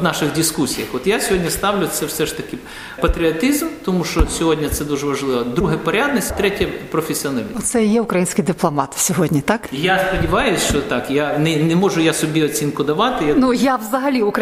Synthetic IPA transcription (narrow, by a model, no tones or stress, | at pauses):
nɑʃɪɣdʲiskusʲijɐxɔt̪jasʲɦodʲnʲɐst̪ɑʋlʲʊt̪sɛwsɛʂt̪ɐkɪ | pɐt̪ɾʲɪɐt̪izmt̪ɔmuʃt͡ʃɔsʲɔɦodʲnʲɐt̪sɛd̪uʐɛʋɐʒlˠɪʋɐd̪ɾuɦɛpɔɾʲad̪nɐsʲtʲt̪ɾɛtʲjɐpɾɔfʲesʲɪɔnalʲɔt̪sɛjɛʊkɾɐjinʲsʲkɪjd̪ɪplˠɔmɑt̪sʲɔɦɔdʲnʲit̪ɑkjaspɐdʲɪʋɑjʊsʲʃt͡ʃɔt̪ɑkjanɛnɛmɔʒʊjasɔbʲiɔt͡sʲinkʊd̪ɐʋɑt̪ɪjanujaʋzɐɦɐlʲiʊkɾɐ